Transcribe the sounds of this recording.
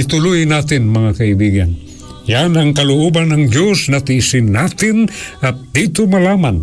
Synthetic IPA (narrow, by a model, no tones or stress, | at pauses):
ɪt̪ʊlujnat̪ɪnmɐŋakaibiɡan | janaŋkalʊʔobanːaŋd͡ʒosnat̪ɪsɪnːat̪ɪnʔat̪̚d̪it̪omalaman